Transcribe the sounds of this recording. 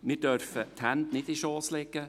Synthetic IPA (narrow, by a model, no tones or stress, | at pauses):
mɪːɾd̥œɾfət̪hænd̪nɪdiʃɔːslɛɡə